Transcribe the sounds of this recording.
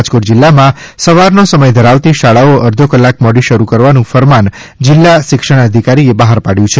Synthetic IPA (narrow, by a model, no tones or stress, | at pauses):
d͡ʒkoʈd͡ʒɪlːamãsəʋaɾnosəməjd̪ʱəɾaʋt̪iʃaɭaoəɾd̪ʱokəlːak̚mɔɽiʃəɾukəɾʋanũfəɾman | d͡ʒɪlːaʃɪkʃəɽ̃əd̪ʱikaɾiebaɦaɾpaɽjũt͡ʃʰe